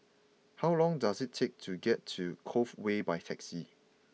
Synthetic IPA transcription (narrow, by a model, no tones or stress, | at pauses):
hawlɔ̃ŋdasɪtʰːek̚tʰuɡɛtʰːukʰofwebajtʰɛksi